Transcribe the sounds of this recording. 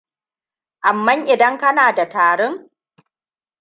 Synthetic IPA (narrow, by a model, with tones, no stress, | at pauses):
ʔa˨mːɐ˦ŋʔɪ˨dɐ˦ŋkɐ˦naː˨da˨taː˨ɽʊ˦ŋ